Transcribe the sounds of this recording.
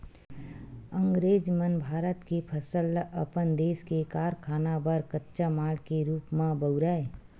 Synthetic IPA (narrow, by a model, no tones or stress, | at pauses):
əŋɡɾeːd͡ʒmənbʱaːɾət̪kepʰəsələpənd̪eːskekaːɾkʰaːnabəɾkətːʃamaːlkeɾuːpmãbəɾae